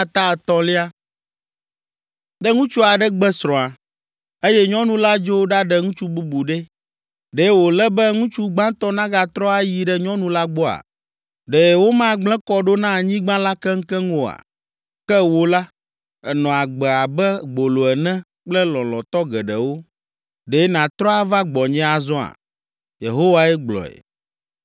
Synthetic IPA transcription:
a˦t̪a˦ɛ˨t̪ɔ˦li˦a˦ | ɖɛ˦ŋũ˦t͡ʃu˦a˨ɖɛ˦ɡ͡bɛ˦sɾɔ̃˨a˨ | e˦jɛ˦ɲɔ̃˦nũ˦la˦d͡ʒo˦wo˦ɖa˦ɖɛ˨ŋũ˦t͡ʃu˦bu˦bu˨ɖɛ˦ | ɖɛ˦wo˨lɛ˦bɛ˦ŋũ˦t͡ʃu˦ɡ͡bã˦t̪ɔ˦nã˦ɡa˨t̪ɾɔ˦a˦ji˨ɖɛ˦ɲɔ̃˦nũ˦la˦ɡ͡bɔ˦a̰˨ | ɖɛ˨wo˦mã˦ɡ͡blɛ̃˦kɔ˨ɖo˦nã˦˨ɲĩ˦ɡ͡bã˦la˦kɛ˦ŋ̩˦kɛ˦ŋo˨a̰˨ | kɛ˦wo˨la˦ | ɛ˨nɔ̃˨a˨ɡ͡bɛ˨a˨bɛ˦ɡ͡bo˨lo˨ɛ˨nɛ̃˦ | k͡plɛ˦lɔ̃˨lɔ̃˨t̪ɔ˦ɡɛ˨ɖɛ˨wo˦ | ɖe˨˦nã˨t̪ɾɔ˦a˦va˦ɡ͡bɔ˨ɲɛ̃˦a˨zɔ̃˦a̰˨ | jḛ˨ɦo˦wa˦ɛ˦ɡ͡blɔ̰˨ɛ̰˨

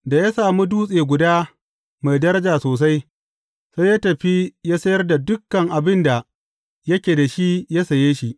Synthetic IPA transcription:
da˨ja˦saː˨mu˦duː˦sʼeː˨ɡʷʊ˨daː˦ | ma˨jdɐ˦ɾɐ˦d͡ʒaː˨soː˨s̬a˦j | sa˦jaː˦tɐ˨ɸi˦jaː˦sɐ˦jɐ˦rda˨dʊ˦kːɐ˨ŋʔa˨bɪ˦nda˨ | jɐ˦kʲeː˨da˨ʃi˦ja˦sɐ˨jeː˦ʃi˦ʔ

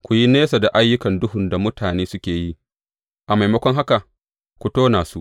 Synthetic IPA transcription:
kʷu˨ji˦neː˦sa˨da˨ʔa˦jːʊ˦kɐ˨ndʊ˦ɦʊ˨nda˨mʊ˦tʰaː˨neː˦sʊ˦kʲeː˨ji˦ | ʔa˨ma˨jmɐ˦kʷɔ˦ŋɦa˦ka˨ | kʷu˨toː˦naː˨su˦ʔ

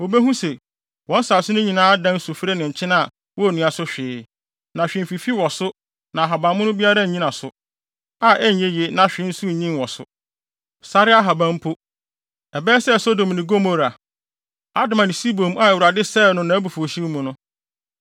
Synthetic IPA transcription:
o˨be˦ɦũ˦se˨ | wɔ̃˨˦n˦sa˨lsʊ˦nʊ̃˦ɲĩ˨nãː˦dã˦n˦su˨fɾe˦nɪ̃˨ɲ̩˨t͡ɕʰɪ̃˦nã˦˨ | wɔ˦˨nũ˨a˨sʊ˦ɕᶣɪː˨˦ | nã˨ɕᶣɪ̃˨m˨fi˨fi˦wɔ˨sʊ˦ | nã˨ɦa˨bã˨mʊ̃˦nʊ̃˦bi˦a˦ɾa˦˨ɲĩ˦nã˨sʊ˨ | a˦˨ʔɛ˦ɲ˨e˦je˦nã˨ɕᶣɪ̃˨˦n̩˦su˦˨ɲĩ˦n˨wɔ˨sʊ̰˦ | sa˦ɾɪ˦a˦ɦa˨bã˦m̩˦pʰo˦ | ɛ˨bɛː˦sɛ˦˨so˦do˨m˨nɪ̃˨ɡo˦mo˦ɾa˨ | a˦dʊ˨mã˨nɪ̃˨si˦bõ˨m˦a˦ɛ˨wɾa˨dɪ˦sɛ˦˨nʊ̃˦nã˨˦bu˨fu˨o˨ɕi˦mũ˨nʊ̃˦

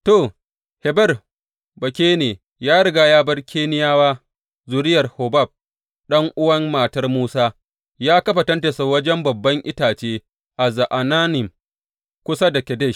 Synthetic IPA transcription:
to˨ | he˨bɐ˦r | bɐ˨kʲeː˦neː˨ | jaː˦ɽɐ˦ɡaː˨jaː˦bɐ˦rkʰʲeː˦nɪ˦jaː˦waː˦ | zʊ˨ɾɪ˦jɐ˨rho˨ba˦˨b̚ | ɗɐ˦ŋʔʊ˦wɐ˦mmaː˨tɐ˦rmuː˦saː˦ | jaː˦kɐ˦ɸa˨tɐ˦nte˨sa˨wɐ˦d͡ʒɛ˦mbɐ˨bːɐ˦ŋʔɪ˦taː˨t͡ʃeː˦ | ʔa˨za˨ʔa˨naː˦nɪ˨m | kʷʊ˦sa˦da˨kʲɛ˨dɛ˦˨ʃ

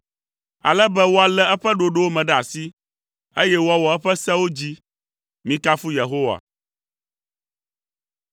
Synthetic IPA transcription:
a̰˨lɛ˦bɛ˦wo˦a˨lɛ˦ɛ˦ɸɛ˦ɖo˨ɖo˦wo˦mɛ̃˨ɖɛ˦a˨si˦ | e˦jɛ˦wo˦a˦wɔ˨ɛ˦ɸɛ˦sɛ˦wo˦d͡ʑi˦ | mĩ˦ka˦fu˦je˨ɦo˦wa̰˨

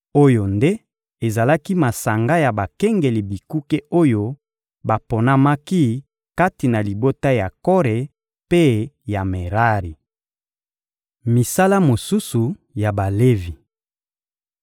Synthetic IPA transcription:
o˦jo˨nde˦ | e˨za˨la˦ki˦ma˨sa˨ŋɡa˦ja˨ba˨kɛ˦ŋɡe˨li˨bi˨ku˦ke˦o˦jo˦ | ba˨po˨na˦ma˦ki˦ | ka˦ti˨na˨li˨bo˦ta˦ja˨kɔ˦ʁe˨ | pe˦ja˨me˨ʁa˦ʁi˨ | mi˨sa˦la˦mo˨su˦su˨ja˨ba˨le˦vi˨

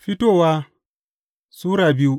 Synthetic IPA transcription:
fi˦to˦wa˦ | suː˦ɾa˨bi˦u˦

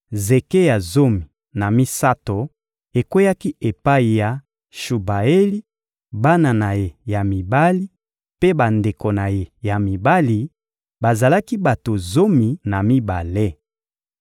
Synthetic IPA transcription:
ze˨ke˦ja˨zo˦mi˨ | na˨mi˦sa˦to˨ | e˨kwe˦ja˦ki˦ʔe˨pa˦i˨ja˨ | ʃu˨ba˨e˦li˦ | ba˦na˨na˨je˨ja˨mi˨ba˦li˦ | pe˦ba˨nde˨ko˨na˨je˨ja˨mi˨ba˦li˨ | ba˨za˨la˦ki˦ba˨to˨zo˦mi˨na˨mi˦ba̰˨le˦

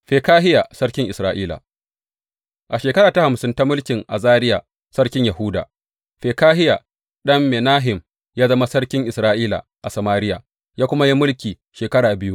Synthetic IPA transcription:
ɸeː˨kaː˦ɦɪ˦ja˨sɐ˦ɽkʲɪ˦ŋʔɪ˨sɾaː˦ʔiː˦la̰˨ | ʔa˨ʃeː˨kɐ˦ɾaː˨ta˦ha˨msɪ˦nta˦mʊ˦lkʲɪ˨ŋʔa̰˨zaː˦ɾɪ˦ja̰˨ | sɐ˦ɽkʲɪ˦ɲja˨hʊ˦da̰ː˨ | ɸeː˨kaː˦ɦɪ˦ja˨ | ɗɐ˦mːe˨naː˦ɦɪ˨m | jaː˦zɐ˦ma˦sɐ˦ɽkʲɪ˦ŋʔɪ˨sɾaː˦ʔiː˦la̰˨ʔa˨sɐ˨maː˦ɾɪ˦ja̰˨ | jaː˦kʷʊ˦ma˦ji˦mʊ˦lkʲiː˨ | ʃeː˨kɐ˦ɽaː˨bɪ˦ju˦

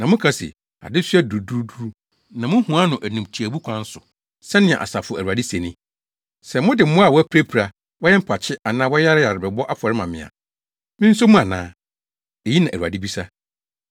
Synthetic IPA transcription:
nã˨mʊ̃˦kʰa˦sɪ̰˨ | a̰˨dɪ˦sɥdu˨du˦ɾu˦du˦ɾu˦ | nã˨mʊ̃˦hũ˨a˦nʊ̃˨ʔæ˨nũ˨mtʰi˨æ˨bu˦kʷʰã˦n̩˦sʊ˨ | sɛ˦nɪ̃˨ɛ̰̃˨ʔa̰˨sa˨fʊ˦˨æ˨u˨a˨di˦se˨nɪ̃˦ | sɛ˨mʊ̃˦dɪ˨m̩˦mʊ̃˦a˨wɔ˦æ˦pʰi˦ɾæ˦pʰi˨ɾa˨ | wɔ˦jɛ˦m̩˦pʰa˨t͡ɕʰɪ˦a˨nãː˦wɔ˦ja˦ɾɪ˦ja˨ɾɪ˨bɛ˨bɔ˦ʔa˦pʰɔ˨ɾɪ˦mã˨mɪ̰̃˨a̰˨ | mɪ̃˦n̩˦sʊ˦mũ˦a˨nã̰ː˦ | e˨ji˦nã˨ʔæ˨ɾa̰˨dɪ˦bi˦sa˦

